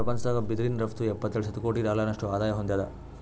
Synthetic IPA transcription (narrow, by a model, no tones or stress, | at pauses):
ɐpɐnsaːɡɐbid̪ɾinɾɐft̪uɛpːɐt̪ːɛɭʃɐt̪ːuko̞ːʈid̪aːlaːnɐʂʈuaːd̪aːjɐɦond̪jaːd̪ɐ̰